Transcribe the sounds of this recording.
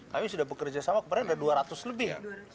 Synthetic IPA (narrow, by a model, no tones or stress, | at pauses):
kamisudahbəkərd͡ʒasamakəpadaŋadaduaɾat̪ʊsləbɪha̰